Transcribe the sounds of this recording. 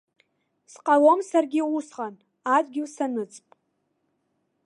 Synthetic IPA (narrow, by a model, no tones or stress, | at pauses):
sqʼalomsarɡʲiusʁan | adʼɡʲiwsanɨt͡sʼpʼ